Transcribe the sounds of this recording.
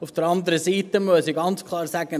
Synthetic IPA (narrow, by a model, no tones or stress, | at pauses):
ufd̥əɾɑnd̪əɾəsiːtəmøəsiɡɑnt͡skʰlˠɑːɾsæɡ̥ə